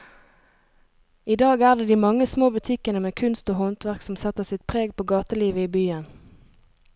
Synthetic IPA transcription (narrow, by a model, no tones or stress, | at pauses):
iːd̪ɑːɡæːʁd̪eːd̪iːmɑŋəsmoːbʉt̪ʰɪkənəmeːkʰʉnst̪oːhɔnt̪ʋæʁksɔmsɛt̪əsɪt̪̚pʰʁeːɡ̚pʰoːɡɑːt̪əliːʋəiːbyːən